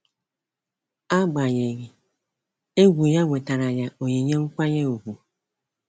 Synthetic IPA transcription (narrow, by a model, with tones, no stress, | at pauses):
a˦ɡ͡ba˨ɲe˨ɣi˨ | e˦ɡʷu˨ja˦ŋʷe˨ta˨ɾa˨ja˨o˨ɲi˨ɲe˦ŋ̩˦kʷa˦ɲe˦u˨ɡu˨